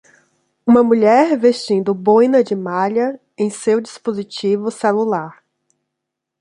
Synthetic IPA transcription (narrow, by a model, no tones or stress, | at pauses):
ũmɐmuʎɛɾveʃt͡ʃĩnd̪ʊbõjnɐd͡ʒɪmaʎɐ | ẽj̃sewd͡ʒispozit͡ʃivʊselulaɾ